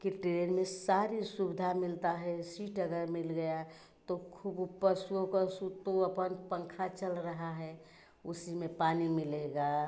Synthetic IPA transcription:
kiʈeɾenmesaɾisubɪd̪ʱamɪlt̪aɦɛsiːʈəɡəɾmɪlɡəja | t̪okʰubupːəsuokəsut̪oəpənpəŋkʰat͡ʃəlɾəɦaɦɛ | ʊsimepanimɪleɡa

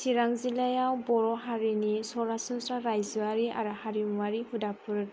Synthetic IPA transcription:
siɹaŋzilajawbɔɹɔɦaɹinisɔɹasɔnsaɹajzuaɹia̰ɹuhaɹimuwaɹihudapʰuɹ

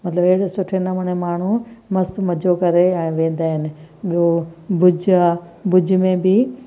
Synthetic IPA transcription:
mɐt̪ləbeɽsʊʈʰenɐmɐɽemaːɳ̤umɐst̪mɐd͡ʑʱokɐɾeɛ̃ːʋẽːn̆d̪aːɦɪnɪ̆ɓijobʊd͡ʑʱa | bʊd͡ʑʱmẽbɪ

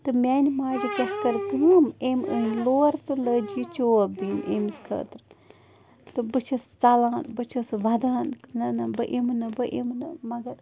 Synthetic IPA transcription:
t̪ɨmʲɛnʲmaːd͡ʒikʲɐhkɐɾt̪ɨmemɨnloːɾt̪ɨləd͡ʒit͡ʃoːbinʲḛmskʰə̰ːt̪ɾɨ | t̪ɨbɨt͡ʃʰɐst͡sɐlaːnbɨt͡ʃʰɐsʋɐd̪aːnnɐnɐbɨʔemnɨbɨʔḛmnɨmɐɡɐɾ

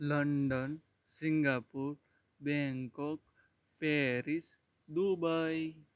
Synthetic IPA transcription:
ləɳɖən | sĩŋɡaːpuːɾ | bɛŋkɔk | peːɾis | d̪ubaj

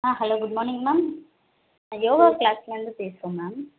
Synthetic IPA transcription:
aɦɛloːɡʊɖmɔːɾnɪ̃ŋɡmaːm | joːʋaklaːsɪlɾɐnd̪ɯpeːsɯɾõmmaːm

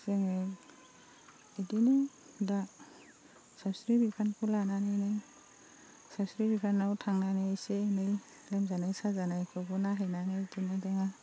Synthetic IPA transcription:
seŋɯj | idinɯ | da | sabsɾibipʰankʰulananɯjnaj | sabsɾibipʰanːawtʰaŋnanijsenaj | lamzanajsazanajkʰɯɡunaɦajnaŋajtinajdeŋa

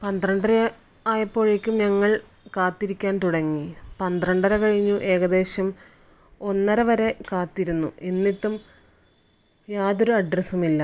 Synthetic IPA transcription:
pɐnd̪rɐɳɖɐɾɐ | aːjɐpːo̞ːɻekʲːumɲɐŋːɐɭ | kaːt̪ːiɾikʲːaːnt̪uɽɐŋːipɐnd̪rɐɳɖɐɾɐkɐɻiɲːuʔe̞ːɣɐd̪e̞ːɕɐm | o̞nːɐɾɐʋɐɾe̞kaːt̪ːiɾunːuenːiʈːum | jaːðo̞ɾuɐɖrɐsumilːɐ

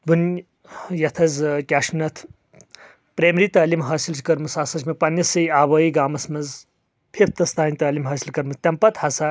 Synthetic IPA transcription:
bun | jɐt̪ʰɐzkʲaːʂnɐt̪ʰ | pɾeːmɾiːt̪ɐːlimɦaːsilt͡ʃʰkɐɾmɐsaːsɐt͡ʃʰmɐpɐnɐsɐjaːʋɐːjiɡaːmɐsmɐz | pʰip̚ʰt̪ɐst̪ʰaːnʲit̪ɐːlimɦɐːsilkɐɾmɐzt̪ʲɐmpɐt̪hɐsa

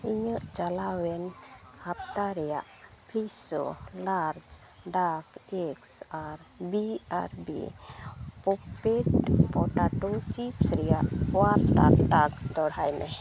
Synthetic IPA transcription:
iɲəʔt͡ʃalawɛnhapt̪aɾɛjaʔpʰisɔ̰laɾd͡ʒ | ɖakɛksaɾbia̰ɾbḭ | pɔpeʈpɔʈaʈut͡ʃipsɾɛjaʔwaɾʈa̰kʈak̚t̪ɔɽ̤ajnɛ

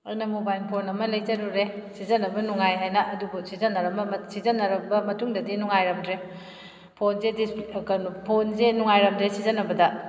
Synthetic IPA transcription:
ajnɐmobajlpʰonɐmɐlɐjd͡ʒɐɾuɾesizɐnɐbɐnuŋajɦajnɐʔɐduɡusizɐnːɐɾɐmbɐmsizɐnːɐɾɐbɐmɐtuŋdɐdinuŋajɾɐmdɾe | pʰonzediskɐnupʰonzenuŋajɾɐmdesizɐnɐbɐdɐ

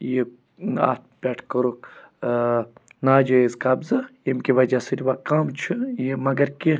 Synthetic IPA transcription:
je | a̰ːt̪̚ʰpʲɛːʈʰkəɾuk | naːd͡ʒoezkɐbzɨimkiʋɐd͡ʒasɨɾʲiʋakɐmt͡ʃʰujimɐɡɐɾki

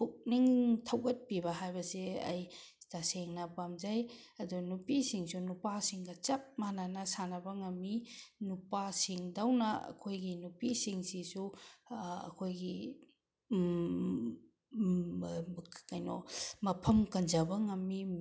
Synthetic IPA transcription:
puk̚niŋtʰɐwɡɐt̚pibɐɦajbɐseɐ̰jtaseŋnɐpamd͡ʒajɐdunupisiŋsunupasiŋɡɐt͡ʃɐp̚mananɐsanɐbɐŋɐmːinupasiŋdawnɐɐ̰kʰojɡinupisiŋsisu | ɐ̰kʰojɡi | kajnɔ̰mɐpʰɐmkɐnd͡ʒɐbɐŋɐmːi

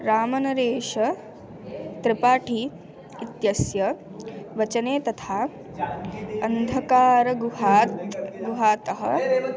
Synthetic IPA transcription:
ɾaːmɐnɐɾeːʃɐ | t̪ɾɪpaːʈʰiː | t̪jɐsjɐ | ʋɐt͡ʃɐneːt̪ɐt̪ʰaː | ɐnd̪ʱɐkaːɾɐɡuɦaːt̪ɡuɦaːt̪ɐɦɐ

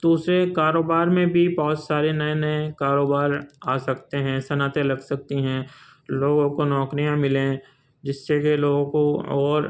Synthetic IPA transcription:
d̪̥uːsɾekaːɾoːbaːɾmẽbʱibɔɦʊt̪saːɾenɐẽnɐẽkaːɾoːbaːɾaːsɐkt̪eɦɛ̃ːsɐnaːt̪elɐɡsɐk̚t̪iɦɛ̃loːɡõkonɔːkɾijãmɪlẽ | d͡ʒɪsːekeloːɡõkoɔːɾ

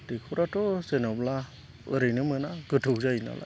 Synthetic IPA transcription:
dikʰuɾatʰɔsenɔbla | ɯɾɯjnɯmɯnaɡɯtʰɯwzajina̰lʔa̰

